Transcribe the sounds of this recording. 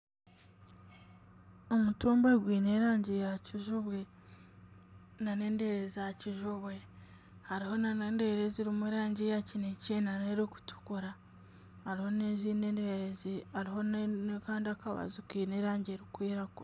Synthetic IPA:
omutuːmbeɡwiːne̞ɾaːɲɟijaciʒuβwe | nane̞ːndeːɾezijaciʒuβwe̞ | haɾiho̞naneːnde̞ɾeziɾimwiɾaːɲɟijacineceːnaneɾiku̥tʰu̥kuɾa | haɾiho̞neziːneːndeɾeziaɾiɦo̞nkaːndiakaβa̰zukiːneɾaːɲɟeɾikwiːɾakuɾ

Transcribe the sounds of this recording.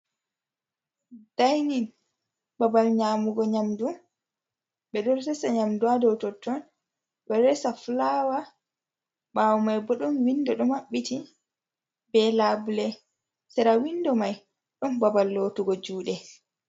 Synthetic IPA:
d̥ajnin | babalɲaːmuɡɔɲamdu | ɓɛɗɔɾsɛsaɲamduadɔwtɔtːɔn | ɓɛɾɛsaflawa | ɓawɔmajbɔɗɔnwindɔɗɔmaɓːiti | bɛlabulɛ | sɛɾawindɔmaj | ɗɔnbabalːotuɡɔd͡ʒuːɗɛ

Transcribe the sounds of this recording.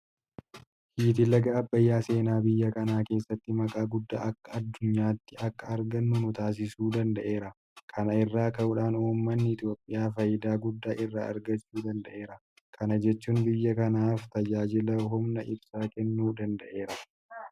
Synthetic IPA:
hiːt̪ɪlɐɡɐːbːɐjːaːse̞ːnaːbɪjːɐkɐnaːke̞ːsːɐt̪ːɪmɐkʼaːɡʊd̪ːa̰ːʔɐkːɐɐd̪ːʊɲːaːt̪ːɪʔɐkːɐɐɾɡɐnːʊnʊt̪aːs̬ɪsuːd̪ɐnd̪ɐʔe̞ːɾɐ | kʰɐnɐɪrːaːkɐʊᶑaːnuːmːɐnːɪɪt̪jo̞ːpʼːɪjaːfɐjɪd̪aːɡʊd̪ːaːʔɪrːaːɐ̰ɾɡɐt͡ʃːuːd̪ɐnd̪ɐʔe̞ːɾɐ | kʰɐnɐd͡ʒɛt͡ʃːuːnbɪjːɐkɐnaːft̪ɐd͡ʒaːd͡ʒɪlɐɦʊmnɐʔɪbsaːkɛnːuːd̪ɐnd̪ɐʔe̞ːɾɐ

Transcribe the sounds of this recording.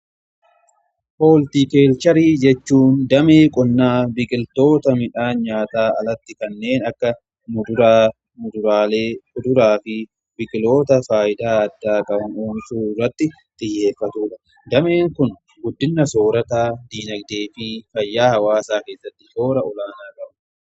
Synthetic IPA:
po̞ːlt̪iːke̞ːlt͡ʃɐɾiːd͡ʒɛt͡ʃːuːnd̪ɐmeːkʼɔnːaːbɪkʼɪlt̪o̞ːt̪ɐmɪᶑaːɲaːt̪aːɐlɐt̪ːɪkɐnːe̞ːnɐkːɐ | nʊʊ | ʊd̪ʊɾaːleːʊd̪ʊɾaːfɪ | bɪkʼɪlo̞ːt̪ɐfaːʔɪd̪aːɐd̪ːaːkʼɐbʊnoːmɪsuːrːɐt̪ːɪ | t̪ʼɪjːe̞ːfːɐt̪uːᶑɐ | d̪ɐme̞ːŋkʊn | ɡʊd̪ːɪnːɐso̞ːɾɐt̪aːd̪iːnɐɡd̪eːfɪfɐjːaːhɐwaːsaːke̞ːsːɐt̪ːɪho̞ːɾɐʔɔlaːnaːkʼɐʔʊ

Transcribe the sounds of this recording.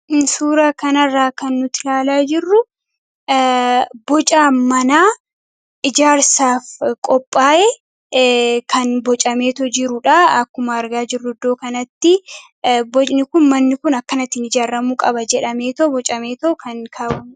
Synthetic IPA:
suːɾakɐnɐrːaːkɐnːʊt̪ɪlaːlaːd͡ʒɪrːʊ | bɔt͡ʃʼaːmɐnaː | ʔɪd͡ʒaːɾsaːfkʼɔpʼːaːʔe | kɐnbɔt͡ʃʼɐme̞ːt̪ɔd͡ʒɪɾʊᶑaɐkːʊmɐːɾɡaːd͡ʒɪrːʊɪd̪o̞ːkɐnɐt̪ːɪ | bɔt͡ʃʼnɪkʊnmɐnːɪkʊnɐkːɐnɐt̪ːɪnɪd͡ʒaːɾɐmuːkʼɐbɐd͡ʒɛᶑɐmeːt̪ɔbɔt͡ʃʼɐme̞ːt̪ɔkʰɐnkʰaːʊ

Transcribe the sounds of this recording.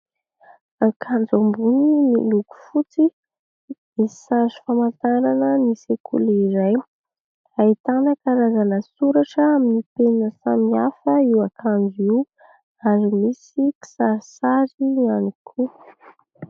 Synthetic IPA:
akʰand͡zambuniniluku̥fut͡si | mii̥sazi̥famant̪aɾanənisekʰṵliɾaj | ait̪anəkaɾazanəsuɾaʈ͡ʂəaminipenəsamiafəiwakʰand͡zuiw | aɾimisiki̥saɾisaɾianikʰu

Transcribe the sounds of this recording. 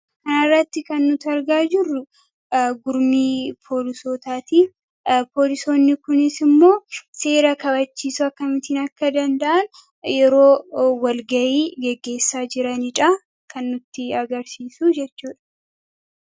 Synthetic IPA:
kɐnɐrːɐt̪ːɪkɐnːʊt̪ɐɾɡaːd͡ʒɪrːʊ | ɡʊɾmiːpʰo̞ːlɪsoːt̪aːt̪iː | poːlɪso̞ːnːɪkʊnɪsɪmːo̞ːse̞ːɾɐkɐbɐt͡ʃːiːsʊɐkːɐmɪt̪ɪːnɐkːɐd̪ɐnd̪ɐʔɐn | jɛɾo̞ːwɐlɡɐʔiːɡɛɡːe̞ːsːaːd͡ʒɪɾɐnɪᶑɐ | kɐnːʊt̪ːɪɐɡɐɾsiːsuːd͡ʒɛt͡ʃːuːᶑɐ̥

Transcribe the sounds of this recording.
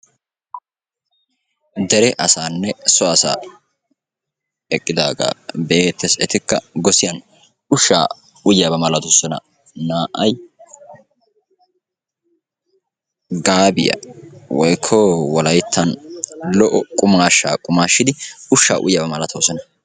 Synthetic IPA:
d̪ɛɾɛʔɐsaːnːɛsɔɐsa̰ː | ɛkʼːɪd̪aːɡa̰ːbeːt̪ːɛsɛt̪ɪkːɐɡɔsɪjɐn | ʊʃːa̰ː | ʊjabɐmɐlɐt̪ʊsɔnɐ̰ | naːʔɐj | ɡaːbɪjɐ̰wɔjkʰːɔwɔlɐjt̪ʰːɐnlɔʔɔkʼʊmaːʃːa̰ːkʼʊmaːʃːɪd̪ɪʊʃːa̰ːʔʊ̰jjabɐmɐlɐt̪ʰoːsɔnɐ

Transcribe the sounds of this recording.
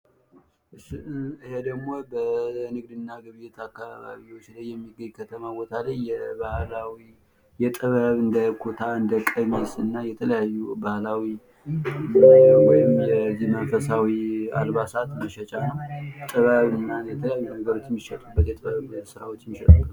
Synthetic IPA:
ʔɨʃɨhed̪əɡmo̞bənɨɡ̚d̪ɨnːaɡɨβɨjɛt̪ʰakːaβaβa̰βiwo̞t͡ʃːlajːɛmːiɡəɲːkʰət̪ʰəmawot̪ʰaləɲjɛβahlawi | jɛt̪ʼɨβəβɨnd̪əkʰo̞t̪ʰaɨnd̪əkʼəmesɨnːajɛt̪ʰələjajːubahlawi | wɔjɪmjɛzimənfəsawia̰lβasat̪məʃɛt͡ʃʼanəwt̪ʼɨβəβɨnːajɛt̪ʰələjajːunəɡəɾo̞t͡ʃːɪmːiʃɛt̪ʼubːət̪jɛt̪ʼɨβəβsɨɾa̰wot͡ʃːɪmiʃɛ̰t̪ʼub

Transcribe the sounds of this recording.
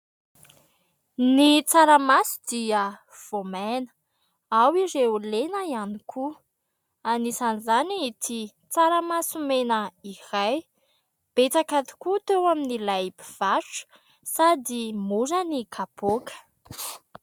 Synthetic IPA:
nit͡saɾəmasi̥d̪iə | v̥omenə̥ | awiɾeulenəianikʰu | anisanizanit̪i | t͡saɾəmasumenəiɾaj | b̥et͡sakat̪i̥kut̪ewaminilajbiv̥aʈ͡ʂu̥ | sad̪imuɾənikʰab̥okə̥

